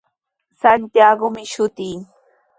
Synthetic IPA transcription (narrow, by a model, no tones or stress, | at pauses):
sant̪jaɡomɪʃʊt̪iː